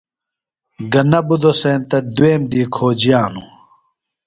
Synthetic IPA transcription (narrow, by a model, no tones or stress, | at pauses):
ɡɐnɐbud̪oseːnt̪ɐd̪ueːmd̪iːkʰoːd͡ʑijaːnu